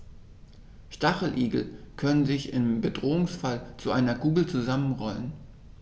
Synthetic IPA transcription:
ʃtaχl̩ʔiːɡl̩kʰœnənzɪçɪmbədʁoːʊŋsfalt͡suʔaɪnɐɡuːbl̩t͡suzamənʁɔlən

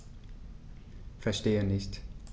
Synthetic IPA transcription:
fɛɐʃteːənɪçt

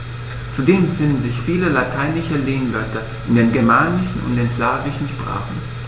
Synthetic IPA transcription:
t͡sudeːmfɪndn̩zɪçfiːləlatʰaɪnɪʃəleːnɡœtʰɐ | ʔɪndeːnɡɛɐmaːnɪʃn̩ʊ̰nt̚d̥eːnslaːvɪʃn̩ʃpʁ̥a̰ːχn̩

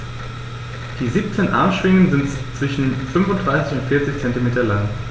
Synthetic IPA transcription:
d̥iːziːp̚t͡seːnʔa̰ɐmʃv̥ɪŋənzɪntt͡sv̥ɪʃn̩fʏnfʊntd̥ʁaɪsɪçʊntfɪɐt͡sɪçt͡sɛntimeːtɐlaŋ

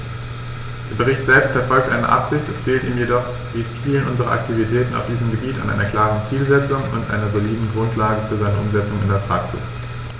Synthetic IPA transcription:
d̥eːɐbəʁ̞ɪçtz̥ɛlpstfɛɐfɔlk̚tʔa̰ɪnə̰ʔa̰pz̥ɪçtɛsfeːltiːmjedɔχ | difiːlənʔʊnzəʁɐ̰ʔa̰k̚tʰivitʰɛːtn̩a̰ʊfd̥iːzəmɡəbiːta̰nʔa̰ɪnɐkl̥aːʁənt͡siːlzɛt͡sʊŋʊ̰ntʔa̰ɪnɐzoliːdn̩ɡʁʊntlaːɡəfyːɐzaɪnəʔʊmzɛt͡sʊŋɪndeːɐpʁ̥aksɪ̰s

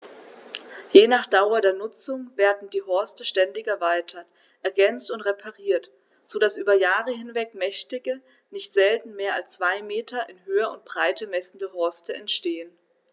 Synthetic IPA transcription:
jeːnaːχd̥aʊɐdeːɐnʊt͡sʊŋveːɐdn̩diːɦɔɐstəʃtɛndɪçɛɐvaɪtʰɐt | ʔɛɐɡɛnt͡stʊntʁepʰaʁiːɐt | z̥oːdasʔyːbɐjaːʁəɦɪnvɛkmɛçtɪɡə | nɪçtz̥ɛltn̩meːɐalst͡sv̥aɪmeːtʰɐʔɪnɦøːɐʊnt̚b̥ʁaɪtəmɛsn̩dəɦɔɐstəɛntʃteːən

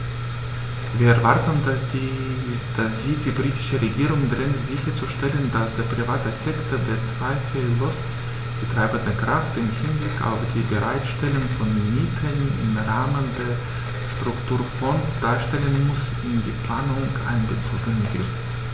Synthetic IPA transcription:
viːɐɛɐvaɐtən̩ | d̥asz̥iːdiːbʁiːtɪ̥ʃəʁeɡiːʁʊŋdʁɪŋtz̥ɪçɐt͡suʃtɛləndasd̥eːɐpʁ̥ivaːtəsɛktʰodeːɐt͡sv̥aɪfɛlos | b̥ətʁ̥aɪbəndəkʁ̥aftɪmhɪnblɪkʰa̰ʊfd̥iːbəʁaɪtʃtɛlʊŋfɔnmiːtʰənɪ̰mʁaːməndeːɐ | ʃtʁ̥ʊktʰuːɐfɔnsd̥aːɐʃtɛlənmʊs | ɪndiːpl̥aːnʊŋʔa̰ɪnɡət͡so̰ːɡənvɪ̰ʁt

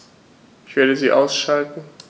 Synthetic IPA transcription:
kʰødəziʔaʊsʃaltn̩

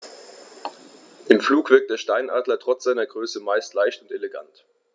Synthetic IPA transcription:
ʔɪmfluːkv̥ɪɐk̚td̥eːɐʃtaɪnʔaːdlɐtʁ̥ɔt͡sz̥aɪnɐɡʁøːsəmaɪstlaɪçtʊnteleɡa̰nt

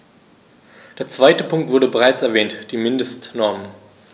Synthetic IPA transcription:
d̥eːɐt͡sv̥aɪtəpʰʊŋk̚tv̥ʊɐɾəbəʁaɪt͡sɛɐvɛːntd̥iːmɪndəstnɔɐmən

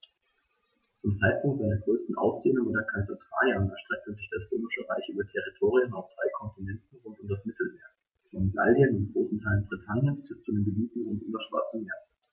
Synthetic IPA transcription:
t͡sʊmt͡saɪt̚pʰʊŋk̚tz̥aɪnɐɡʁøːstn̩ʔa̰ʊsd̥eːnʊŋɪdɛɐkʰalt͡satv̥a̰ːjanɛ̰ɐʃtʁ̥ɛk̚təzɪçd̥asʁøːmɪʃəʁa̰ɪçʔyːbɐtʰɛʁitʰoːʁiənaʊfd̥ʁaɪkʰɔnpinɛntn̩ʁʊntʊmdasmɪtl̩meːɐ | fɛnmɡa̰ljənɪʊnɡʁoːsn̩tʰaɪlənbʁitʰanjənsb̥ɪst͡sudeːnɡəbiːtn̩ʁʊntʔy̰ːbɐʃv̥a̰ɐt͡sən̩meːɐ

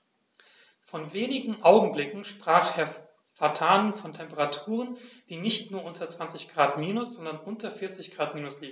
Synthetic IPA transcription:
fɔnveːnɪɡŋ̩ʔaʊɡŋ̩blɪkŋ̩ʃpʁ̥aːχheːɐ | fatʰaːnənfɔntʰɛmpəʁatʰuːʁənd̥iːnɪçtnuːɐʔʊntʰɐt͡sv̥ant͡sɪçɡ̥ʁaːtmiːnʊsz̥ɔndɐnʔʊntɐfɪɐt͡sɪçɡ̥ʁaːtmiːnʊsliːɡŋ̩

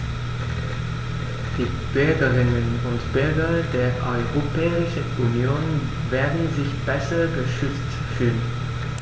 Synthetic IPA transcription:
d̥iː | b̥ʏɐɡəʁɪnənʊntb̥ʏɐɡɐd̥eːɐʔɔʏʁopʰɛːɪʃəʔunjoːn | veːɐdn̩zɪçb̥ɛsɐɡəʃʏt͡st | fyːlən

